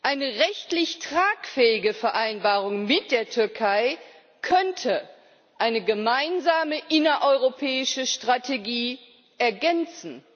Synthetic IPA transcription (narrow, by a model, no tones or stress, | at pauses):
ʔaɪnəʁɛçtlɪçtʁ̥aːkfɛːɪɡəfɛɐʔaɪnbaːʁ̞ʊŋmɪt̚d̥eːɐtʰʏɐkʰaɪ | kʰœntʰə | ʔaɪnəɡəmaɪnzaːməʔɪnɐʔɔʏʁopʰɛːɪʃəʃtʁ̥atʰeɡiː | ʔɛɐɡɛnt͡sn̩